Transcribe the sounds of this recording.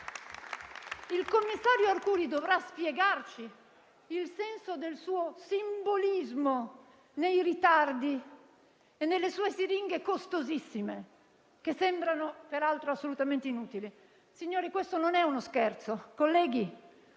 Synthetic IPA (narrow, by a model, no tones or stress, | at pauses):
ilkomːisːaːɾjoarkuːɾid̪ovɾaspjɛɡart͡ʃiː | lsɛnsod̪elsuːosimbolizmo | nejrit̪ard̪i | enːelːesuːesiɾiŋɡekost̪ozisːime | kesːembɾanopeɾalt̪ɾoasːolut̪ament̪einuːt̪ili | siɲːoːɾikwest̪ononɛunoskɛrt̪sokolːɛːɡi